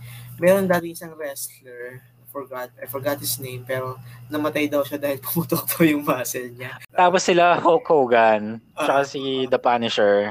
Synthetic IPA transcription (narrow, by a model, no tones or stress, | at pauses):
mɛːɾond̪aːmɪŋʔɪsɐŋɾɛst̪lɛɹ | fɔɹɡat̪̚ɐjfɔɹɡat̪̚hɪsnejmpɛːɾo̞nɐmɐt̪ajd̪ɐwʃad̪aːhɪlpʊ̥mut̪ok̚pʰojʊŋmaːsɛlɲat̪aːposːɪlahokʰoːɡant͡ʃɐkɐsid̪ɐpanɪʃɛɹ